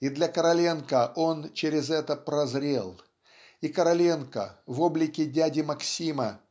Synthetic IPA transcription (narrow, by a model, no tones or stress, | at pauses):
id̪lʲɐkəɾɐlʲenkəʔo̞nt͡ɕeɾʲɪzɛt̪əpɾɐzɾʲḛlˠ | ikəɾɐlʲenkə̰vo̞blʲɪkʲɪdʲædʲɪmɐksʲimə